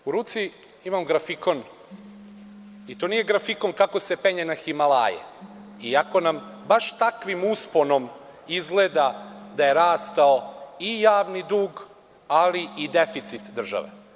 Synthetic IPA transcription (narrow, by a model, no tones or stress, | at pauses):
uɾuːt̪si | imamɡɾafiko̞n | it̪oːnije̞ɡɾafiko̞nkakose̞peɲenaximala̰ːjḛ | iako̞nam | baʃt̪akʋimuspo̞no̞m | izɡleːd̪ad̪aje̞ɾaːst̪aoijaːʋnid̪uːɡ | aliid̪efit̪sit̪d̪r̩ʒa̰ʋḛ